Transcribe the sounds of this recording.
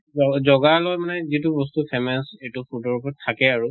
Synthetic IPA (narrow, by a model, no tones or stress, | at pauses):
ɔzɔɡalɔjmanɛzitʊbɔstupʰɛmɛsetupʰutɔɹupɔɹtʰakɛaɹu